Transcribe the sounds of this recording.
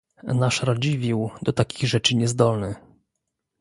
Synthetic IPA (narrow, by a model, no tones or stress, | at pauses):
naʂɾad͡ʑivʲiwd̪ɔt̪akʲiɣʐɛt͡ʂɘɲɛzd̪ɔlnɘ